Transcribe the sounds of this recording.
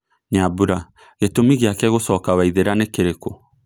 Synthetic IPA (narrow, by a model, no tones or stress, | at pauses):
ɲabuɾa | ɣetomiɣeakɛɣosɔːkawaiðeɾanekeɾeko